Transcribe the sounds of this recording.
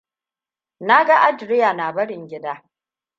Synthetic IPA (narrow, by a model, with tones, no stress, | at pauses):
na˦ɡa˦ʔa˦dɾɪ˦ja˨na˨bɐ˦ɽɪ˨ŋɡʲɪ˦daː˦